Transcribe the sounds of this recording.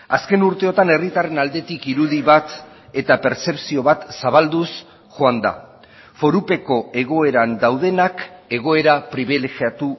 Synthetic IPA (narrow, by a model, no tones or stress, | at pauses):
aske̞nuɾt̪e̞o̞t̪ane̞rit̪are̞nald̪e̞t̪ikiɾuðiβat̪ | e̞t̪ape̞ɾse̞psio̞β̞at̪saβald̪us | ʝoand̪a̰ | fo̞ɾupe̞ko̞e̞ɣ̞o̞e̞ɾand̪awðe̞nake̞ɣ̞o̞e̞ɾapɾiβ̞ileɣiat̪u